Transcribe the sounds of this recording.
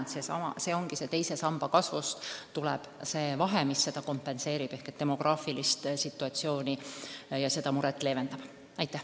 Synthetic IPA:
t̪sesɑmɑ̰se̞ːo̞ŋɡ̥ise̞t̪e̞jse̞sɑmb̥ɑkɑsvust̪t̪ulɛ̰b̥se̞ːvɑɦemisːe̞d̪̥ɑko̞mpːe̞nse̞ːɾib̥e̞hket̪ːe̞mo̞ɡ̥rʔɑːfilist̪sit̪ːˑuɑt̪sio̞ːnijɑse̞d̪̥ɑmuɾɛt̪ːˑle̞ːve̞nd̪ɑb̥ | ɑjt̪ːˑæh

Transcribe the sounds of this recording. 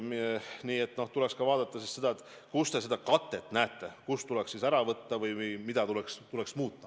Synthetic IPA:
mniːe̞t̪ːˑno̞ht̪ulɛkskɑvɑːd̪̥ɑt̪ːˑɑsisse̞d̪ɑet̪ː | kust̪e̞s̬e̞d̪ɑkɑt̪ːˑe̞t̪ːnæːt̪ːe̞kust̪ulɛksisæɾɑvɤt̪ːɑvɯjjmid̪̥ɑt̪ulekst̪ule̞ksmuːt̪ːɑ̥

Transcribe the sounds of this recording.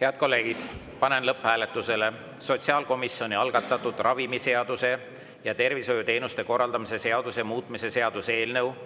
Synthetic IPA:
he̞ɑd̪̥̚ko̞lːe̞ːɡ̥id̪̥ | pɑnenlɤphæːlet̪ːˑuse̞le̞ | so̞t̪siɑːlko̞misːjo̞nʲiɑlɡ̥ɑt̪ːˑɑt̪ːˑud̪̥rɑvimise̞ɑd̪use̞ | jɑt̪e̞rviso̞jut̪e̞ːnust̪e̞ko̞rːɑld̪̥ɑmise̞se̞ɑd̪̥usemuːt̪ˑmise̞se̞ɑd̪̥use̞ːlnew

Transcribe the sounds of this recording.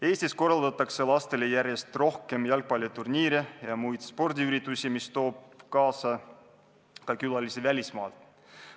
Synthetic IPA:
e̞ːsʲt̪isko̞rːɑld̪ɑt̪ːˑɑkse̞lɑst̪e̞lejæɾje̞st̪ro̞hke̞mjɑlk̚pɑlʲjot̪urniːɾejɑmujd̪spo̞rd̪iyɾit̪ːˑusimist̪o̞ːb̥kɑːsɑ | kɑkylɑlisevælʲismɑ̰ːlt̪

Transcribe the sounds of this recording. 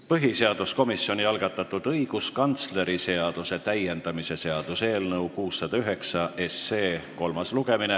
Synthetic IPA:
pɤɦise̞ɑd̪̥usko̞misːio̞nʲiɑlɡ̥ɑt̪ːˑɑt̪ːud̪̥ɤiɡ̥uskɑnt̪sle̞ɾise̞ɑd̪̥use̞t̪æje̞nd̪̥ɑmise̞se̞ɑd̪̥use̞ːlnɤukuːsːɑd̪̥ɑyɦe̞ksɑʔe̞sːe̞ːko̞lmɑsluɡ̥e̞mine

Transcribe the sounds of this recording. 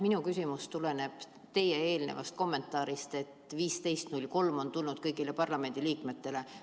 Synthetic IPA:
minukysimust̪ule̞ne̞b̥ | t̪e̞jee̞ːlnḛvɑ̰st̪̚ko̞mːe̞nt̪ːˑɑːɾist̪e̞t̪ːviːst̪e̞jst̪nulʲko̞lmo̞nt̪ulnud̪̥kɤjɡ̥ile̞pɑrlɑme̞nd̪̥iliːkme̞t̪ːe̞le̞

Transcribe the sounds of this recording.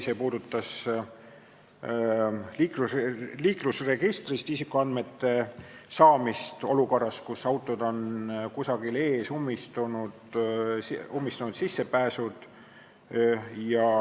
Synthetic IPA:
se̞ːpuːd̪̥ut̪ːɑs | liːkluliːklusre̞ɡ̥ist̪rist̪isikːˑuɑnd̪me̞t̪ːe̞sɑːmist̪o̞luko̞rɑskusːɑwt̪ːˑo̞d̪̥o̞nkusɑɡ̥ile̞ːsumːist̪unud̪̥ | umːist̪unud̪sisːe̞pæːsud̪̥ | jɑ

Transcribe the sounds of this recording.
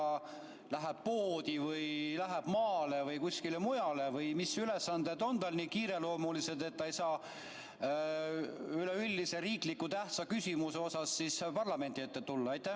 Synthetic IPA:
ɑ | læɦeb̥̚poːd̪ivɯjlæɦeb̥mɑːlevɯjkusʲkilemujɑle̞vɯjmisyle̞sːɑnd̪̥e̞d̪o̞nt̪ɑlniːkiːɾe̞lo̞ːmulised̪e̞t̪ːɑjsɑː | yleylʲːise̞ɾiːklikːˑut̪æht̪sɑkysʲimuseo̞sɑsːispɑrlɑme̞nd̪iet̪ːet̪ulːɑɑjt̪ːˑæ

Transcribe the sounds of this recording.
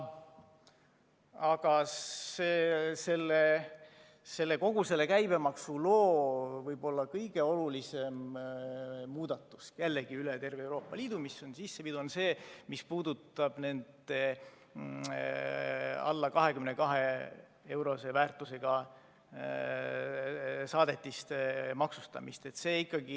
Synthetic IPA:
ɑɡ̥ɑseːse̞lːe | se̞lːe̞ko̞ɡ̥use̞lːe̞kæjb̥e̞mɑksulo̞ːvɤjb̥o̞lːɑkɤjɡ̥e̞o̞lulise̞m | muːd̪̥ɑt̪ːˑu̥sjelːeɡ̥iylet̪e̞rveewɾo̞ːpːˑɑliːd̪̥umisːo̞nsisːepid̪̥uonse̞ːmispuːd̪̥ut̪ːˑɑb̥ne̞nd̪e | ɑ̰lːɑkɑɦe̞kymnekɑɦe̞ | e̞wɾo̞se̞væːrt̪ːˑuse̞ɡ̥ɑ | sɑːd̪e̞t̪ʲːˑist̪mɑksust̪ɑ̰mist̪e̞t̪se̞ːikːˑɑɡ̥i

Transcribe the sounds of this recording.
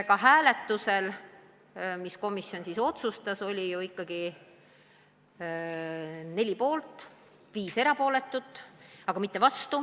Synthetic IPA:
kɑɦæːle̞t̪ːuse̞l | misko̞misjo̞nsiso̞t̪sust̪ɑso̞lʲijuikˑːɑɡ̥i | ne̞lʲipo̞ːlt̪ˑ | viːse̞ɾɑpo̞ːle̞t̪ːut̪ːˑɑɡ̥ɑmit̪ːe̞vɑst̪u

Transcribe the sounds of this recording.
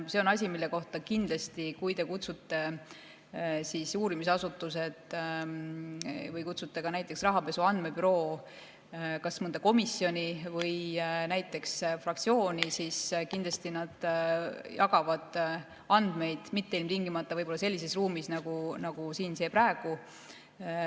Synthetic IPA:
se̞o̞nɑs̬ʲimilːe̞ko̞ht̪ɑkind̪lɑst̪ikujt̪e̞kut̪sut̪ːe̞ | siːsuːɾimis̬ɑsut̪ːˑus̬e̞t̪ˑ | vɤjkut̪sut̪ːˑe̞kɑnæjt̪ːˑeksrɑɦɑpe̞suɑnd̪̥me̞pyɾo̞ː | kɑsmɤnd̪ɑko̞misːjo̞nʲivɤjnæjt̪ːˑe̞ksfrɑkt̪sio̞ːnʲisiskind̪lɑst̪inɑd̪̥ | jɑɡɑvɑd̪̥ | ɑnd̪me̞jd̪̥mit̪ːe̞ilmt̪iŋɡimɑt̪ːˑɑvɤjbo̞lːɑse̞lːise̞sruːmisnɑɡ̥unɑɡ̥usiːnse̞ːpræeɡ̥u

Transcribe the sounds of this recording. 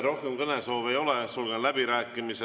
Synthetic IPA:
ro̞hkemkɤnesoːve̞jo̞lesulɡ̥enlæbiɾæːkːˑimise

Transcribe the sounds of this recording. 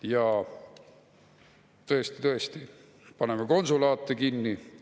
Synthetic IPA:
jɑ | t̪ɤ̞est̪i̥t̪ɤ̞est̪i | pɑnemeko̞nsulɑːt̪ːˑekinːi

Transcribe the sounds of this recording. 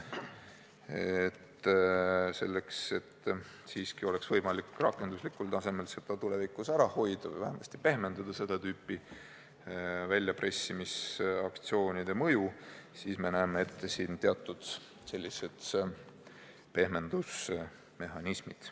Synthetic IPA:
et̪ː | se̞lːe̞kse̞t̪ː | siːskio̞leksvɤjmɑlikrɑkːˑe̞nd̪uslikːult̪ɑse̞me̞lse̞d̪̥ɑt̪ule̞vikːˑusæɾɑho̞jd̪̥ɑvɤ̰jvæhemɑsʲt̪i̥pe̞hme̞nd̪̥ɑd̪̥ɑse̞d̪̥ɑt̪yːpːˑi | vælʲːjɑprʔe̞sʲːimisɑkt̪sio̞ːnʲid̪̥e̞mɤjusiːsme̞næːmeet̪ːesiːnt̪eɑt̪ːˑud̪̥ | se̞lʲːise̞d̪̥ | pe̞hme̞nd̪̥us | me̞ɦɑnismid̪̥

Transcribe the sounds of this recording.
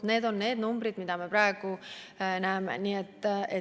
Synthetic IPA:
ne̞ːd̪o̞nːe̞ːd̪numbɾid̪mid̪̥ɑmepɾɑeɡ̥u | næemḛniːet̪ːe

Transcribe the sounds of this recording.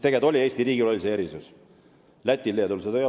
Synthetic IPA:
t̪e̞ɡed̪o̞lʲie̞ːst̪iɾiːɡilo̞lʲiseeɾisus | læt̪ʲːˑilːed̪ulset̪øj

